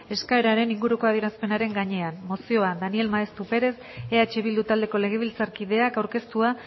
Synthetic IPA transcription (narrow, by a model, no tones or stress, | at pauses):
e̞skaeɾaɾe̞niŋɡuɾuko̞aðje̞ɾaspe̞naɾe̞ŋɡaɲe̞anmo̞sio̞and̪anie̞lmaest̪upe̞ɾe̞s | e̞at͡ʃe̞βild̪ut̪ald̪e̞ko̞le̞ɣ̞e̞β̞ilt͡saɾkiðe̞akawɾke̞st̪ua